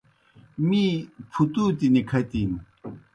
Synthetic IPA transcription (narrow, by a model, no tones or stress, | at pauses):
mipʰut̪ut̪inikʰɐt̪im